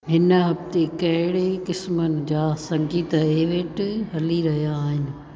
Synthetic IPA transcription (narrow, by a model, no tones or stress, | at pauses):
ɦɪnɦɐbt̪ekɐɦɪɽekɪsmənɪ̆d͡ʑaːsɐ̃ŋɡiːt̪eːʋeːʈɦɐliɾɐɦijaːɦɪnɪ̆